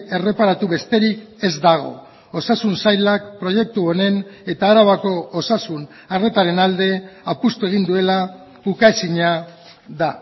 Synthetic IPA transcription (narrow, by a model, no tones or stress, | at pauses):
e̞re̞paɾat̪uβe̞st̪e̞ɾike̞zd̪aɣ̞o̞̰ | osasunsajlak̚pɾo̞je̞k̚t̪uo̞ne̞ne̞t̪aːɾaβako̞ːsasun | are̞t̪aɾe̞nald̪e̞apust̪ue̞ɣ̞ind̪ue̞la | ukaesiɲa | ða